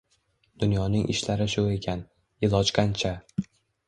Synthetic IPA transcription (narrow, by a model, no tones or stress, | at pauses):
d̪̥ʊnjɒnɪŋʔɪ̰ʃlaɾɪʃʊe̞kʲʰan | ɪlˠɒt͡ʃqant͡ʃʰa